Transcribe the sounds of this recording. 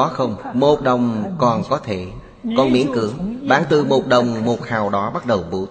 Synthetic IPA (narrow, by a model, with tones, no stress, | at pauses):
ɔ˨˦xə˧wŋ͡mmo˨˩t̚ɗə˨˩wŋ͡mkɔ˨˩nkɔ˨˦t̪ʰe˧˩˨ | kɔ˧˩nmḭ˨˧˥ənkɨ˨˦əŋɓaː˨˦nt̪ɨ˨˩mo˨˩t̚ɗə˨˩wŋ͡mmo˨˩t̚haː˨˩wɗɔ˨˦ɓa˦˥t̚ɗə˨˩wɓṵ˧˩˦